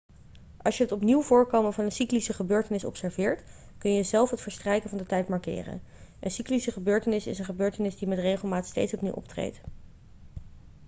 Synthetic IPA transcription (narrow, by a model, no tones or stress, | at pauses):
ʔɑlˠsjəɦətɔpniwvʊːɹkowmənvɑnənsiklisəχəbøːɹtənɪsɔ̰psɛɹvɪːɹt | kɵnjəzɛlˠfɦətfəɹstrɛjkənvɑndətɛjtmɑɹkɪ̰ːrə̰n | ʔənsiklisəχəbøːɹtənɪsɪ̰sənχəbøːɹtənɪzdimɛtrejχəlˠmaːtstejtsɔpnḭwʔɔ̰ptrḛjt